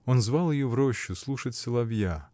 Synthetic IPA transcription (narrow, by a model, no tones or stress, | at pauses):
onzvɑlˠjɪjuvɾoɕːʊslˠuʂətʲsʲɨlˠɐvja